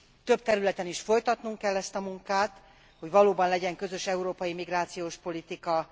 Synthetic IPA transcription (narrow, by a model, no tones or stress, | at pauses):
t̪ø̞b̚t̪ɛɾylɛt̪ɛniʃfo̞jt̪ɒt̪nuŋkɛlːɛst̪ɒmuŋkaːt̪ | ho̞ɟvɒloːbɒnlɛɟɛŋkø̞zø̞ʃɛuɾoːpɒjimiɡraːt̪sijoːʃpo̞lit̪ikɒ